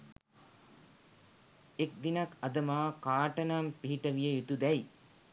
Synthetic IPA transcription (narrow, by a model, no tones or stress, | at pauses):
ek̚d̪inɐkɐd̪ɐmaːkaːʈɐnampiɦiʈɐʋijəjut̪ud̪ɛj